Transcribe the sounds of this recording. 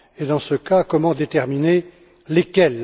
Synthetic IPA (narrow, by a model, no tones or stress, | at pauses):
ed̪ɑ̃səkakɔmɑ̃d̪et̪ɛʁmine | lekʲɛl